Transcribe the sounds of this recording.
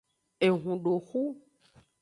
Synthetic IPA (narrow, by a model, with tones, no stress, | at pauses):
e˨ɦũ˨ɖo˨xu˦